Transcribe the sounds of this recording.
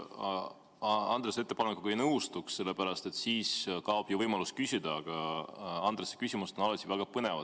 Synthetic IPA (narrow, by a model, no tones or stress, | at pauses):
ɑnd̪̥ɾese̞t̪ːe̞pɑnekːˑukuejnɤwst̪uksse̞lːe̞pæɾɑst̪e̞t̪ːsiːskɑob̥juvɤjmɑluskysʲid̪̥ɑːɡ̥ɑɑnd̪̥ɾesːe̥kysʲimuset̪onɑlɑt̪ʲːˑivæɡ̥ɑpɤne̞vɑd̪